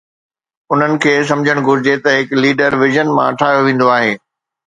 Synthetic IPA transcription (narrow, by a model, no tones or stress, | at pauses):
ʊn̤ənɪ̆kʰeːs̬ɐ̃md͡ʑʱəɽ̃ɡʱʊɾɪd͡ʑet̪ɐɦɪkliːɖəɾʋɪʒənmãɐʈʰaːɦijoʋẽːn̆d̪oaːɦeː